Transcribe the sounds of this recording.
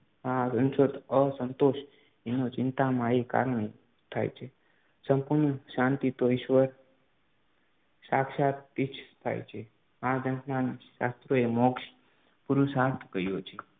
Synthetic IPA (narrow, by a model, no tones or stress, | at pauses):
ãsə̃nʃot̪əsənt̪oʃ | enot͡ʃɪnt̪amãeka̰ɾəɳe | t̪ʰa̰jt͡ʃʰe | səmpuɾɳəʃãnt̪it̪oɪʃʋəɾ | ʃakʃat̪it͡ʃʰt̪ʰa̰jt͡ʃʰe | ãd͡ʒənnanʃa̰st̪ɾoemokʃ | puɾusat̪ʰkəjot͡ʃʰe